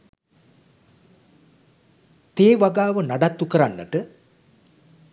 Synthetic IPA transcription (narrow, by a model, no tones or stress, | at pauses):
t̪eːʋaɡaːʋənaɖat̪ːukəɾanːəʈə